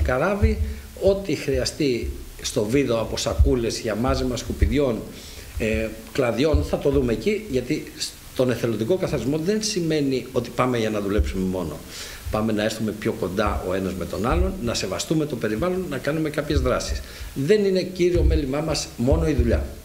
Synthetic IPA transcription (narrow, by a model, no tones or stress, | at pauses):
kɐɾɐvi | o̞t̪ixɾiɐst̪i | st̪o̞viðoɐpo̞sɐkule̞zʝɐmɐzimɐskupiðʝo̞n | klɐðʝo̞nθɐt̪o̞ðume̞ːciʝɐt̪is | t̪o̞ne̞θe̞lod̪iko̞kɐθɐɾizmo̞ðe̞nsime̞nio̞t̪i̥pɐme̞ʝɐnɐðule̞psume̞mo̞no̞̰ | pɐme̞nɐe̞ɾθume̞pço̞ko̞nd̪ɐo̞e̞nɐzme̞t̪o̞nɐlo̞nːɐse̞vɐst̪ume̞t̪o̞pe̞ɾivɐlo̞nːɐkɐnume̞kɐpçe̞zðɾɐsisðe̞nine̞ciɾio̞me̞limɐmɐsmo̞no̞iðuʎɐ